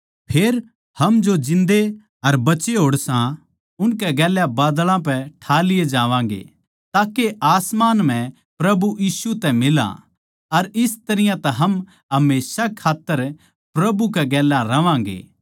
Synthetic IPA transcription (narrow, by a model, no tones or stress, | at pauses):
pʰeːɾ | hɐmd͡ʒod͡ʒɪ̃nd̪e | ɐɾbɐt͡ʃeɦoːɽsã | ʊnkɛɡɛːljabaːd̪lãp̬ɛʈʰaːlɪjed͡ʒãːʋãːɡḛː | t̪aːkeʔaːsmaːnm̤ɛ̃ | pɾɐbujiːsut̪ɛ̃mɪlã̰ | ɐɾɪst̪ɐɾɪjãt̪ɛ̃ɦɐm | ɦɐmeːsakʰaːt̪ːəɾ | pɾɐbukɛɡɛːlaɾɐʋãːɡḛː